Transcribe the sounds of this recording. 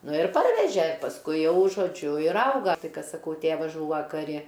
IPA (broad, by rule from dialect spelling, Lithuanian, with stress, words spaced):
ˈnʊ ɪr ˈpɐrʲʋʲɛʒʲɛ pɐsˈkʊɪ ˈjɛʊ ʒoːˈd͡ʒʲʊ ɪr ˈɐʊɡɐ ˈtɐɪ ˈkɐt sɐˈkɐʊ ˈtʲeːʋɐzˈʒuːʋɐ kɐˈrʲɪ